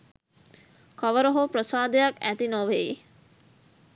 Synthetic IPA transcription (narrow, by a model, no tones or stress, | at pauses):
kɐʋəɾoɦopɾəsaːd̪ejakæt̪inoʋei